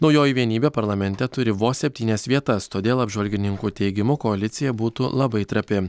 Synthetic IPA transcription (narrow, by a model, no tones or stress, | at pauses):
nɒʊjoːjʋʲiɛnʲiːbʲeːpɐɾlˠɐmʲɛnʲt̪ʲɛt̪ʊɾʲɪʋoːsʲɛpʲt̪ʲiːnʲɛsʋʲiɛt̪ɐst̪oːd̪ʲeːlˠɐbʲʒʋɐlʲɡʲɪnʲɪŋkuːt̪ʲɛɪɡʲɪmʊkoɐlʲɪt̪sʲɪjɛbuːt̪ulˠɐbɐɪt̪ɾɐpʲɪ